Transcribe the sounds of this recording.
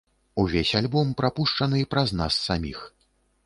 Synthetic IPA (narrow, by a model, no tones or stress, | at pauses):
uvʲesʲalʲbɔmpɾapuʂt͡ʂɐnɨipɾɐzna̰sːamʲix